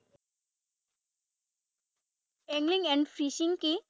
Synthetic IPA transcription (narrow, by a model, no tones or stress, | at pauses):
ɛ̃ŋɡliŋɛ̃ɳɖfʰɾisiŋki